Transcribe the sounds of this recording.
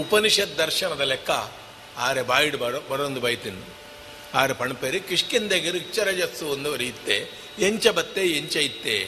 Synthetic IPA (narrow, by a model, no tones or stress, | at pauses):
upɐniʂɐt̪̚d̪ɐɾʃɐɳɐd̪ɐlekːɐ | aːɾebaːjiɽbɐbɐɽond̪ubɐjt̪inu | aːɾepɐɳpeɾikiʂkind̪eɡiɾik̚t͡ʃːɐɾɐd͡ʒɐsuond̪uʋɐɾijit̪ːe | jeɲt͡ʃɐbɐt̪ːejeɲt͡ʃɐjit̪ːe